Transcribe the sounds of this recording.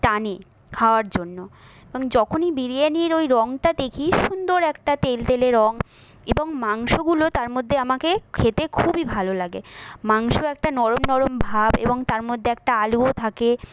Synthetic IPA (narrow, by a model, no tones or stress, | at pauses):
ʈane | kʰaoaɾd͡ʑonːo | eboŋd͡ʑɔkʰonibiɾienieɾojɾɔŋʈad̪ekʰiʃund̪oɾɛkʈat̪elt̪eleɾɔŋ | eboŋmaŋʃoɡulot̪aɾmod̪ʱːeamakekʰet̪ekʰubibʱalolaɡemaŋʃoɛk̚ʈanɔɾomnɔɾombʱabḛboŋt̪aɾmod̪ʱːeɛk̚ʈaaluot̪ʰake